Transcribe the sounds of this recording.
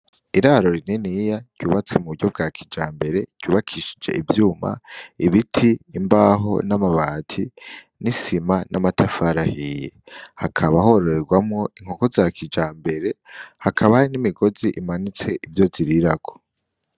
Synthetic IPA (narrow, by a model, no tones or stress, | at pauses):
iɾaɾo̞ɾinenijaɟ̥ɟuːβat͡semuβuɟo̞b̚ɡaːkʰid͡ʒaːmbe̞ɾe̞ɟ̥uːβakʰiʃi̥d͡ʒe̞̰ʔivjuːma̰iβitʰiːmbaɦo̞̰namaβaːtʰi | nisimanʔamatʰafaɾahije | hakʰaβaɦho̞ɾoɾe̞ɡwamŋo̞iŋ̥o̞ko̞zakʰid͡ʒaːmbe̞ɾe̞hakʰaβahaɾinimiɡo̞ziʔimanit͡se̞ʔivjo̞ziɾiɾaɡo̥